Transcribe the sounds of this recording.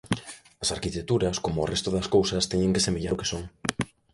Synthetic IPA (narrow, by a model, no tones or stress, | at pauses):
ɐsaɾkit̪ek̚t̪uɾɐskomoːrest̪oðɐskowsɐst̪eɲeŋkesemeʎaɾokesoŋ